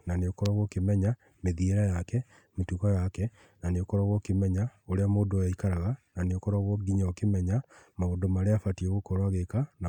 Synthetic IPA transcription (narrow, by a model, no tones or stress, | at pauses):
naneokɔɾaɣɔkemɛɲa | meðieɾajakɛ | metukɔjakɛ | naneokɔɾaɣɔkemɛɲaoɾeamodoɛikaɾaɣananeokɔɾaɣɔɡiɲaɔkemɛɲamaodomaɾeafatiɛɣokɔɾwaɣekana